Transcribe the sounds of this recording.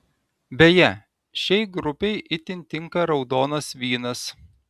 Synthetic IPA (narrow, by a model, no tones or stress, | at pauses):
bʲɛjɛ | ʃʲɛɪɡɾʊpʲɛɪʔɪt̪ʲɪnʲt̪ʲɪŋkɐɾɒʊd̪oːnɐsʋʲiːnɐs